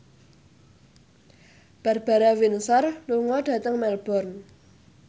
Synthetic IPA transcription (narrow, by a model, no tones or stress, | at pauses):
b̥ä̤rb̥a̤ɾawinsɔrluŋɔɖ̥ä̤t̪əŋmɛlb̥ɔ̤rn